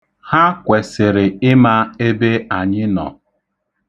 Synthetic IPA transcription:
ha˦kʷe˨sɪ˨ɾɪ˨ɪ˦ma˦e˦be˦a˨ɲɪ˦nɔ̰˨

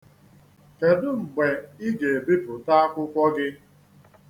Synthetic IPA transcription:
ke˨dʊ˦ŋ͡m̩˨ɡ͡be˨ɪ˦ɡe˨bi˦pʊ˨ta˦a˦kʷʊ˦kʷɔ˦ɡɪ˦

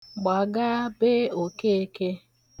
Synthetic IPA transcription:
ɡ͡ba˨ɡa˦be˦o˨ke˦e˦ke˦

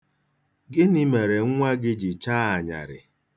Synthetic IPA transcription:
ɡɪ˦ni˦me˨ɾe˨ŋ˦ŋʷa˦ɡɪ˦d͡ʒɪ˨t͡ʃa˦a˨ɲa̰˨ɾɪ̰˨

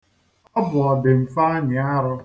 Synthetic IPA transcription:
ɔ˦bʊ˨ɔ˨dɪ˨m̩˨fa˦a˦ɲɪ˨a˦ɾʊ˦

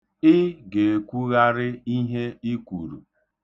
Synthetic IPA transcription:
ɪ˦ɡe˨e˨kʷu˦ɣa˦ɾɪ˦i˦ɦe˦i˦kʷṵ˨ɾṵ˨

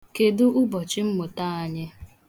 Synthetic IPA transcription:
ke˨dʊ˦ʔʊ˦bɔ˨t͡ʃɪ˦m̩˦mʊ˨ta˦˨a˦ɲɪ˦

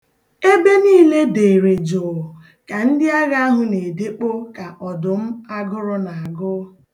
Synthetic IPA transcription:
e˦be˦niː˦le˦de˨ɾe˨d͡ʒo˨ | ka˨n̩˦dɪ˦a˦ɣa˦a˦ɦʊ˦ne˨de˦k͡po˦ka˨ʔɔ˨dʊ˨m̩˦a˦ɡʊ˦ɾʊ˦na˨a˨ɡʊ˦

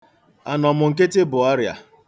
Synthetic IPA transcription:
a˨nɔ˨mʊ˨ŋ̩˨ke˦te˦bʊ˨a˦ɾja̰˨

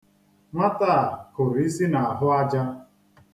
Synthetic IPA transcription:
ŋʷa˦ta˦˨kʊ˨ɾi˦si˦na˨a˨ɦʊ˦a˦d͡ʒa˦

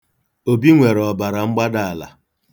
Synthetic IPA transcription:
o˨bi˦ŋʷe˨ɾɔ˨ba˨ɾa˨ŋ͡m̩˦ɡ͡ba˦da˨a˨la̰˨

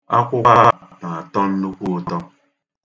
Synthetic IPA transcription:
a˦kʷʊ˦a˦na˨a˨tɔ˦n̩˦nʊ˦kʷu˦tɔ˦

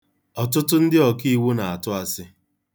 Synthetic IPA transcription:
ɔ˨tʊ˦tʊ˦n̩˦dɪ˦ɔ˨ki˦i˦wu˦na˨a˨tʊ˦a˦sɪ˦

